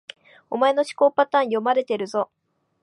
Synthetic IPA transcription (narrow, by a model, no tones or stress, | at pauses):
o̞̰mae̞no̞ɕi̥ko̞ːpat̪ãːɰ̃jo̞maɾe̞t̪e̞ɾɯ̟zo̞